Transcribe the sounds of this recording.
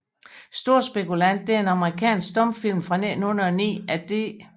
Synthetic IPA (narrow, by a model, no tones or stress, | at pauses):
sd̥o̝ɐ̰sb̥e̝kulæn̰d̥̚eæɐe̝nɑ̈məʁikʰɛ̰ːnsɡ̥sd̥ɒ̽mfil̰mfʁɑ̈nen̩unɐɒnḭːæd̥e̝